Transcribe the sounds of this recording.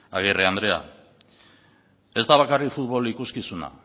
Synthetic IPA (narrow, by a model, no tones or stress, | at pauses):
aɣ̞ereand̪ɾe̞a̰ | e̞st̪aβakarikfut̪βo̞likuskisuna̰